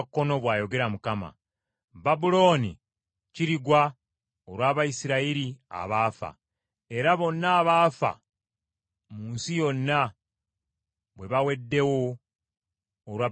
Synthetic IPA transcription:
kːo̞no̞βwaːjo̞ɡe̞ɾamukama̰ | babulo̞ːni | ciɾiɡwa | oɾwaːβaisiɾaiɾia̰βaːfa̰ | e̞ɾaβo̞nːaːβaːfa̰ | muːnsijo̞nːa | βwe̞βawe̞dːe̞wo̞ | ɾwa

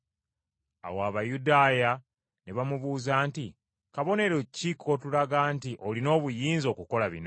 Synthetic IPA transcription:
a̰waːβajudaːja | neβamuβuːzaːnti | kaβo̞ne̞ɾocːikʰo̞tulaɡaːntiʔo̞lino̞ːβujiːnzo̞ːkuko̞laβḭn

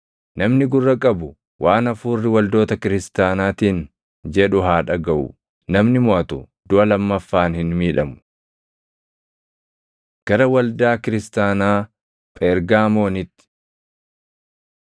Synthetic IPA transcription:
nɐmnɪɡʊrːɐkʼɐbʊ | wʔaːnɐfuːrːɪwɐld̪o̞ːt̪ɐkɪɾɪst̪aːnaːt̪iːn | d͡ʒɛᶑʊɦaːᶑɐɡɐʔʊ̰ | nɐmnɪmʊʔɐt̪ʊ | d̪ʊɐlɐmːɐfːaːnhɪnmiːᶑɐmʊ̥ | ɡ̥ɐɾɐwɐld̪aːkɪɾɪst̪aːnaː | pʼɛɾɡaːmo̞ːnɪt̪ːɪ̥

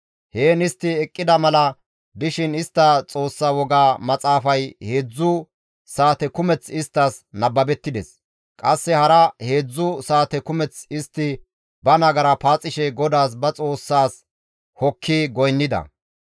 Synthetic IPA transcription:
he̞ːnɪst̪ːɪɛkʼːɪd̪ɐmɐlɐ | d̪ɪʃɪnɪst̪ːɐt͡sʼo̞ːsːawɔɡaːmɐt͡sʼaːfɐjhe̞ːd͡zːʊ | saːt̪ɛkʊmɛt͡sɪst̪ːasnɐbːɐbɛt̪ːɪd̪ɛs | kʼɐsːɛhɐɾɐhe̞ːd͡zːʊsaːt̪ɛkʊmɛt͡sɪst̪ːɪ | bɐnɐɡɐɾɐpaːt͡sʼːɪʃɛɡɔd̪aːs̬bɐt͡sʼo̞ːsːaːs | hɔkʰːiɡɔjnːɪd̪ɐ̰

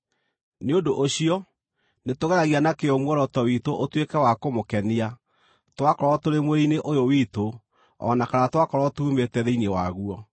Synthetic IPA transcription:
neodoʔoɕiɔ | netoɣɛɾaɣianakeɔmwɔɾɔtɔwitoʔotwekɛwakomokɛnia | twakɔɾɔtoɾemweineʔojowiːto | ɔ̰nakanatwakɔɾɔtuːmetɛðeinewaɣuɔ

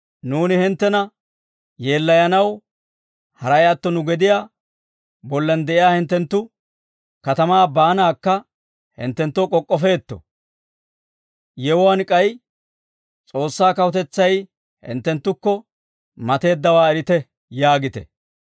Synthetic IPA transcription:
nuːnɪhɪnt̪ːɛnɐ | je̞ːlːɐjɐnɐw | hɐɾɐjɐt̪ːɔnʊɡɛd̪ɪjaː | bɔlːɛnd̪ɛʔɪjaːhɪnt̪ːɛnt̪ːʊ | kɐt̪ɐmaːbaːnaːkːɐ | hɪ̰nt̪ːɛnt̪ːɔkʼɔkʼːɔfe̞ːt̪ːɔ̰ | jɛwʊwɐnkʼɐj | t͡sʼo̞ːsːaːkɐwɔt̪ɛt͡sːɐj | hɪ̰nt̪ːɛnt̪ːʊkːɔ | mɐt̪e̞ːd̪ːɐwaːɛɾɪt̪ɛ | jaːɡɪt̪ɛ̰

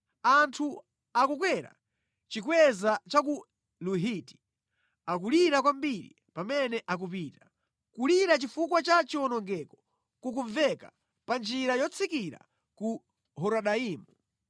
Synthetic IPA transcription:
antʰu | akuk̬wɛɾa̰ | t͡ʃikwɛzat͡ʃak̬u | luɦiti̥ | ak̬uliɾakwambiɾḭ | pamɛnɛʔak̬up̬iːtḁ | kuliɾat͡ʃifukwat͡ʃat͡ʃiwɔnɔŋɡɛkɔ̥ | kuk̬uɱvɛka̰ | pand͡ʒiɾajɔt͡sʰikiɾa̰ | ku | ɦɔɾaɗaiːmu

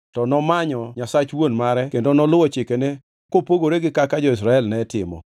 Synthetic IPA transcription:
tɔnɔmaɲɔɲasat͡ʃwonmaɾɛkendonɔlʊwɔt͡ʃɪkene | kopoɡoɾeɡɪkakad͡ʒɔɪs̬ɾaɛlnɛtɪmɔ̰

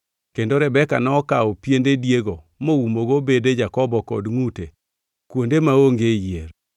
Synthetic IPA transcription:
kendoɾɛbɛka̰nɔːkaɔpjendedjeɡo | moumoɡobeded͡ʒakɔbɔkɔ̰dŋute | kwondemaoŋɡejer

